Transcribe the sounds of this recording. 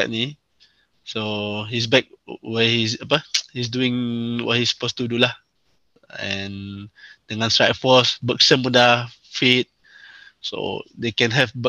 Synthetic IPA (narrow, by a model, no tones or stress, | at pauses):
a̰ʔ̚ni | soɦis̬bɛk̚wɛhisapəhis̬duĩŋwɔ̰t̚hisə̥post̪udulah | ɛ̃nd̥əŋãnstɹa̰jtfɔsbək̚sə̃mmunda | fit̪̚ | so̰dekɛ̃nɦɛvbə